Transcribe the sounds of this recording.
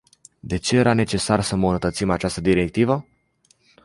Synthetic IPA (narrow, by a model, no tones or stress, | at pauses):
d̪e̞t͡ʃe̞je̞ɾane̞t͡ʃe̞sarsəmbunət̪ət̪simat͡ʃast̪əd̪iɾe̞k̚t̪ivə